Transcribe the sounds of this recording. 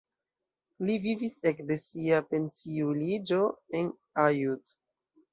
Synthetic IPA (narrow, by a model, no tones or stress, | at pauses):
livivise̞kde̞siape̞nsiulid͡ʒo̞e̞n | ajud